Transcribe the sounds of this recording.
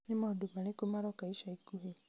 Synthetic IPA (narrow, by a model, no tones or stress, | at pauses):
nimaudumanikumaɾɔkaiʃaikuɦi